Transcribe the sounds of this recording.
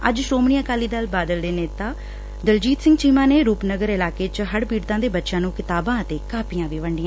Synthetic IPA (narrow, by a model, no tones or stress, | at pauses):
ə̰d͡ʒʃɾoːmɳijãːkaːliːd̪əlbaːd̪əld̪eːneːt̪ãː | d̪əld͡ʒiːt̪sɪ̃ŋɡt͡ʃiːmãːneːɾuːpnəɡəɾɪlaːkeːt͡ʃɦəɽpiːɽt̪ãːd̪eːbətːʃãːnũːkɪt̪aːbãːət̪eːkaːpɪjãːʋiːʋəɳɖɪjãː